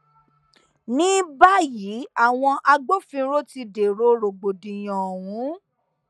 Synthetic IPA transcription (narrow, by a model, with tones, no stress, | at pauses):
nĩ˦ba˦ji˨˦a˦˨w̃ɔ̃˧ʔa˧ɡ͡bo˦fĩ˧ɾo˦ti˧de˨ɾo˨˦ɾo˨ɡ͡bo˨dĩ˨j̃ɔ̃˨wũ˨˦